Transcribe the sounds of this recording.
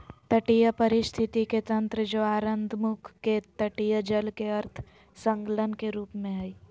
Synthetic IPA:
t̪ɐʈijəpɐɾɪst̪ʰɪt̪iket̪ɐ̃nt̪ɾəd͡ʒoaːɾə̃nd̪ʱmʊkʰːet̪ɐʈijəd͡ʒəlkeɐɾt̪ʰ | sə̃ŋklənkeɾuːpmẽɦɐiː

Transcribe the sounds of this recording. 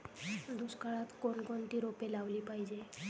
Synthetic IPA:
d̪uskaɭat̪konkoɳʈ̪iɾopelaʋliːpajd͡ʑe

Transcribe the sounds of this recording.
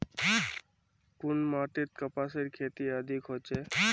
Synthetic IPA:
kʊnmaːʈ̪it̪̚kəpaseɾkʰeːt̪iəd̪ʱikɦot͡ʃe

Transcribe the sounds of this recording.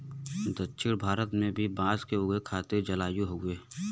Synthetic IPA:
d̪ətːʃʰɪɽbʱaːɾət̪mẽbʱibãːzkeʊɡekʰaːt̪ed͡ʒəlaːjuɦoɡʊeː

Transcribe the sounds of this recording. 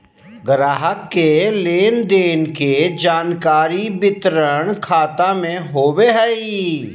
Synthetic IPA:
ɡɾaːɦəkːeleːnd̪eːnked͡ʒaːnkaːɾibɪt̪ɾəɳ̃kʰaːt̪amẽɦoːweɦɛi

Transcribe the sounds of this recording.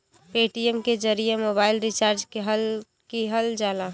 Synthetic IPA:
peːʈiəmked͡ʒəɾijemoːbaːɪlɾit͡ʃaːɾd͡ʒkɦl | kiɦəld͡ʒala

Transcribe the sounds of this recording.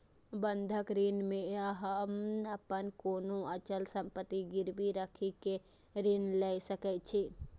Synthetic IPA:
bənd̪ʱəkɾinmẽəɦəmnəpənkoːnoət͡ʃəlsəmpət̪iɡiɾbiɾəkʰike | ɾinlɛsəkɛt͡ʃʰi

